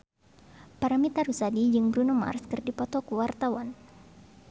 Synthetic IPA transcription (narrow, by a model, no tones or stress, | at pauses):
paɾamit̪aɾusadid͡ʒɨŋbɾunuma̰rskɨrdipɔt̪ɔkəwart̪awan